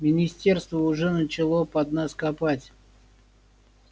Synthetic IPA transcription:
mʲɪnʲɪsʲtʲe̞rst̪vəʊʐɛnət͡ɕɪlˠopɐd̪naskapatʲ

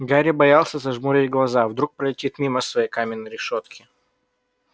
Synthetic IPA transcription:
ɡaɾʲɪbɐjalˠsʲəzɐʐmuɾʲɪtʲɡlˠɐzavd̪ɾuk̚pɾəlʲɪtʲit̪mʲiməsvɐjejkamʲɪnːəjɾʲɪʂot̪kʲɪ̥

